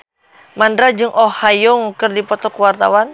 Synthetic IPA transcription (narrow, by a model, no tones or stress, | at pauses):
mandɾad͡ʒɨŋʔɔhajɔŋkɨrdipɔt̪ɔkuwart̪a̰wan